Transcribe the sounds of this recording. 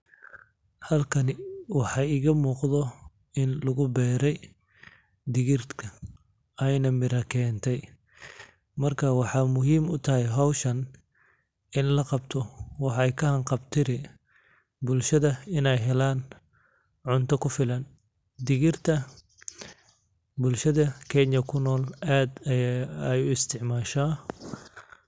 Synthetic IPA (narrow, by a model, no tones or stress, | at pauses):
hɐlkʰɐnɪwɑħɑːɪɣɐmuːqðɔ | ɪnlʊɣʊbɛːɾɛj | d̪ɪɣɪrt̪kʰɐ | ɛjnɐmɪɾɐkʰɛːnt̪ʰɛj | mɐrkʰɐwɑħɑːmʊɦiːmʊt̪ʰɐɦɛjɦɑwʃɐn | ɪnlɐqɑbt̪ʰɔwɑħjkʰɐhɐŋqɑbt̪ʰɪɾɪ | bʊlʃɐðɐɪnɛjɦɛlaːn | ʕʊnt̪ʰɐkʰʊfɪlɐn | d̪ɪɣɪrt̪ʰɐ | bʊlʃɐðɐkʰɛɲjɐkʰʊnɔːlaːd̪ɛjʊɪst̪ʰɪʕmaːʃaː